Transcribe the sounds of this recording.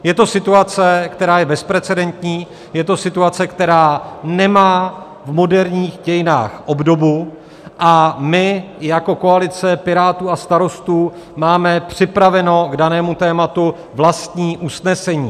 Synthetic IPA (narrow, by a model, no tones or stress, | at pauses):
jɛt̪o̞sɪt̪uat͡sɛkt̪ɛɾaːjɛbɛspɾɛt͡sɛdɛnt̪ɲiː | jɛt̪o̞sɪt̪uat͡sɛkt̪ɛɾaːnɛmaː | vmo̞dɛɾɲiːxɟɛjɪna̰ːxʔo̞bdo̞bu | ʔamɪjako̞ko̞alɪt͡sɛpɪɾaːt̪uːast̪aɾo̞st̪uː | maːmɛpr̝̥ɪpɾavɛno̞ɡdanɛːmut̪ɛːmat̪u | vlast̪ɲiːʔusnɛsɛɲiː